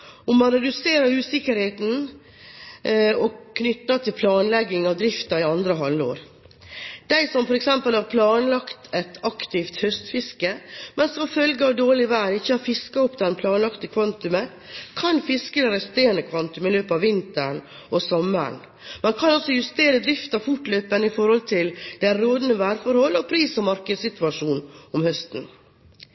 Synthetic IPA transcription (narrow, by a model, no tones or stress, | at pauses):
ɔmmɑnɾɛd̪ʉseːɾəɾʉːsɪkəɾheːt̪n̩ | ɔkʰnʏt̪ːɑt̪ʰɪlpʰlɑːnlɛɡːɪŋɑʋd̪ɾɪft̪ɑɪɑnd̪ɾəɦɑlːo̰ːɾ | d̪̥æɪsɔmfɔɾɛksɛmpəlhɑɾpʰlɑːnlɑkt̪ʰɛt̪ɑkt̪ɪft̪hœst̪fɪskəmɛnsɔmfœlɡəɑːʋd̪oːɭɪʋæɾɪçːəhɑfɪskɑɔpd̪ɛnpʰlɑːnlɑkt̪əkʰʋɑnt̪ʉmə | kʰɑnfɪskəəɾɛst̪eːnəkʰʋɑnt̪ʉmɪløːpəɑʋːɪnt̪əɳ | ʔɔsɔmə̰ɳ | mɑnkʰɑnɔsɔjʉst̪eːɾəd̪ɾɪft̪ɑfʊʈløːpənɪfɔɾhɔlt̪ʰɪld̪æɾoːd̪nəʋæːɾfɔɾhɔlːɔpʰɾiːsɔmɑɾkəd̪sɪt̪ʉɑʂuːnɔmhœst̪n̩